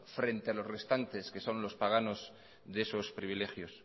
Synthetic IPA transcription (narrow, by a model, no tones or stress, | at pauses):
fɾe̞nt̪ealo̞zre̞st̪ant̪e̞ske̞so̞nlo̞spaɣ̞ano̞z | ðeso̞spɾiβ̞ile̞xjo̞s